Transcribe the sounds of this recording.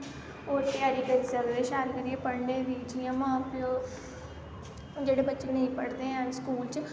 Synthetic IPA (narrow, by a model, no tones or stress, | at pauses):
oːɾt̪ɪjaːɾiːkəɾisəɾd̪eːʃaːɾkəɾieːpəɽnẽːʋiːd͡ʒijãːmãːplõ | d͡ʒeːɽeːbətːʃenəĩːpəɽd̪eːɦə̃nskuːlt͡ʃ